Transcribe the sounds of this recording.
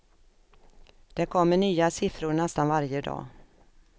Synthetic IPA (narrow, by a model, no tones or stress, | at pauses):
d̪̥ɛkʰɔmːəɳyːasɪfɾʊɾɳɛst̪anvaɾjəd̪ɑ̰ː